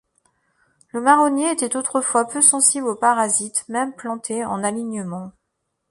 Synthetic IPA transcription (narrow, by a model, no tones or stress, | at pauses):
ləmaʁɔnjeet̪ɛt̪ot̪χəfwapøsɑ̃siblopaʁazit̪mɛmplɑ̃t̪ʰeɑ̰̃naliɲəmɑ̃